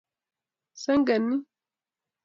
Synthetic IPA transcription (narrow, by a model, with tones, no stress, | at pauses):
sɐ˦ŋɡɐ˨nːi˦